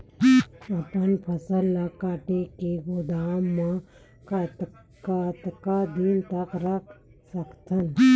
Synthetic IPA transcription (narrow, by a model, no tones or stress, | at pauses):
əpənpʰəsəlːakaːʈekeɡod̪aːmːə | kat̪ | kat̪kad̪int̪əkɾɐkʰ | səkt̪ʰən